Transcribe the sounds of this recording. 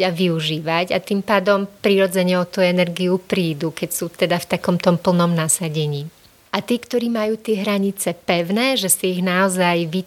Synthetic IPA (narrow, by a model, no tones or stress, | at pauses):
aʋiuʒiːʋaca̰t̪iːmpaːd̪ɔmpɾiɾɔd͡zɛɲɛɔt̪uɛnɛɾɡiupɾiːd̪ukɛcsuːt̪ɛd̪aft̪akɔmt̪ɔmpl̩nɔmnasaɟɛɲiː | ʔat̪ɪɛːkt̪ɔɾiːmajuːt̪ɪɛɦɾaɲit͡sɛpɛʊnɛːʒɛsiːɣnaɔzajʋi